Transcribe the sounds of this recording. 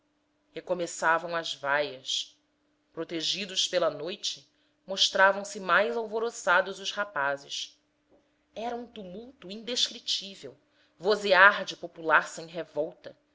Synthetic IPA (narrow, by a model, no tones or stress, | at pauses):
hekomesavɐ̃w̃ɐzvajɐs | pɾot̪eʒid̪ʊʃpelɐnojt͡ʃɪ̥ | moʃt̪ɾavɐ̃w̃sɪmajzawvoɾosad̪ʊzʊʃhapazɪʃ | ɛɾɐũt̪umuwt̪uĩd̪eʃkɾit͡ʃivew | voziaɾd͡ʒɪpopulasɐẽɦevɔwt̪ɐ